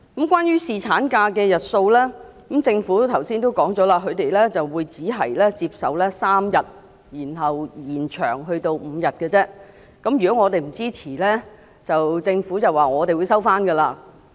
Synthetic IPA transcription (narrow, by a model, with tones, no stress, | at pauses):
kɐ˨˥mkʷwaː˥njyː˥siː˨t͡sʰaː˨˥nkaː˧kɛː˧jɐ˨t̚so˧wlɛː˥kɐ˨˦mt͡sɪ˧ŋfuː˨˥t̪ʰɐ˨˩wsiː˥nt̪̬o˥wkɔː˨˥ŋt͡sɔː˨˥laː˧kʰɵ˨˧ɥt̪e˨jlɛ˥t͡sɐ˨wːuː˨˧jt͡siː˨˥ɦɐ˨˩jlɛː˥t͡siː˧p̚sɐ˨wlɛː˥saː˥mjɐ˨t̚ | jiː˨˩nɦɐ˨wjiː˨˩nt͡ʃʰœː˨˩ŋɦɵ˧ɥt̪o˧wm̩ː˨˧jɐ˨t̚kɛː˧t͡sɛː˥ | kɐ˨˥mjy˨kɔ˨˥ŋɔː˨˧t̪e˨jm̩˨˩t͡siː˥t͡sʰiː˨˩lɛ˥ | t͡sɐ˨wt͡sɪ˧ŋfuː˨˥t͡sɐ˨waː˨˩ŋɔː˨˧t̪e˨jwuː˨˧jsɐ˥wfaː˥nɡɐː˧laː˧